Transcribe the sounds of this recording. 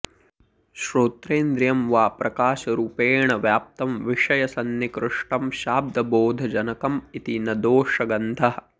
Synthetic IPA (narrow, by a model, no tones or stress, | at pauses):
ʃɾoːt̪ɾeːnd̪ɾjɐmʋaːpɾɐkaːʃɐɾuːpeːɳɐʋjaːp̚t̪ɐmʋiʂɐjɐsɐnːikɾɪʂʈɐmʃaːb̚d̪ʱɐboːd̪ʱɐd͡ʒɐnɐkɐmit̪inɐd̪oːʂɐɡɐnt̪ʰɐɦɐ̆